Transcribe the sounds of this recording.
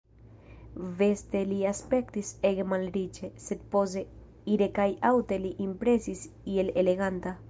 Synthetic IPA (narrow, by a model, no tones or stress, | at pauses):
ve̞st̪eliaspe̞kt̪iseɡemalɾit͡ʃeset̪̚po̞ze̞ | iɾe̞kajawt̪eliʔimpɾe̞sisieleleɣant̪a